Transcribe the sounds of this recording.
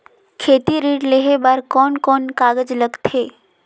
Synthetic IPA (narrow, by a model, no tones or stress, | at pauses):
kʰeːt̪iɾiːʈleɦebaːɾkɔːnkɔːnkaːɡəd͡ʒləɡt̪ɦeː